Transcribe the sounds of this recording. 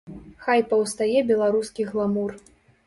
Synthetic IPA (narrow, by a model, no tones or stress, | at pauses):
xajpɐwst̪ajɛbʲɛlˠaɾuskʲiɣlˠamur